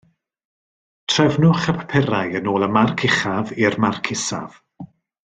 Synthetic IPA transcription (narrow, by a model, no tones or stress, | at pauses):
tʰrɛvnʊχəpʰḁpʰɛɾajənoːlˠəmarkʰɪχavirmarkʰɪsa̰v̥